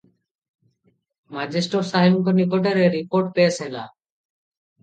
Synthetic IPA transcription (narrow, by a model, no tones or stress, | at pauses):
mad͡ʑesʈosaɦjuŋkonik̬oʈ̬eɾeɾipoɾʈ̚peesʰela̰